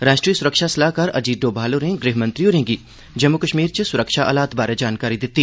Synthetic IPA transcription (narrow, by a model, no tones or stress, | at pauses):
ɾaːʃʈɾiːəsʊɾəkʃasɐlaːɦkaɾɐ̰d͡ʒiːt̪ɖoːbʱaːloɾẽɡɾeːɦmɐ̃nt̪ɾijõɾẽːɡi | d͡ʒɐmːukəʃmiːɾt͡ʃesʊɾəkʃaʔa̰ːlaːt̪baːɾed͡ʒaːnkaːɾid̪ɪt̪ːi